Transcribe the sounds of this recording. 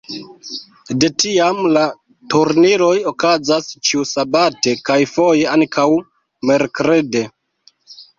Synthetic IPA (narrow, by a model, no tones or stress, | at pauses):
de̞tiamla | tuɾniɾo̞jo̞kazast͡ʃiusabate̞kajfo̞je̞aŋkʰaw | me̞ɾkɾe̞de̞